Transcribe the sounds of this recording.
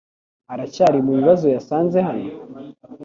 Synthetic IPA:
aɾacaːɾimuβiβazo̞jasaːnze̞hano

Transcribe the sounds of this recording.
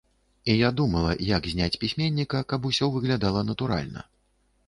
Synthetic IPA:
ijad̪umɐlˠɐjakzʲnʲat͡sʲpʲisʲmʲenʲːikɐkabusʲɔvɨɣlʲad̪alˠɐnɐt̪uɾa̰lʲnɐ̰

